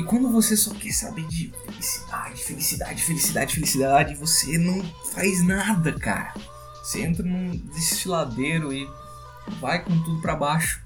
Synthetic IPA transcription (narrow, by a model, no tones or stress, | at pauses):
ɪkwɐ̃nd̪ʊvosesɔkɛɾsabed͡ʒɪfelisi̥d̪ad͡ʒɪɪfelisid̪a̰d͡ʒɪd͡ʒɪfelisid̪a̰d͡ʒɪd͡ʒɪfelisid̪aad͡ʒɪɪvosenɐ̃w̃ | fajznad̪ɐka̰ɾɐ̰ | voseẽnt̪ɾɐnũd̪est͡ʃilad̪eɾʊɪ | vajkõt̪ud̪ʊpɾabaʃʊ̥